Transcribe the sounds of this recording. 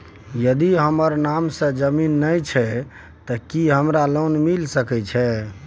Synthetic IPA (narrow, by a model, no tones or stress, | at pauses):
jəd̪iɦəməɾnamsə̃d͡ʒəminːəjt͡ʃʰɛ | t̪ɔkiɦəmɾalonmilsəkɛt͡ʃʰɛ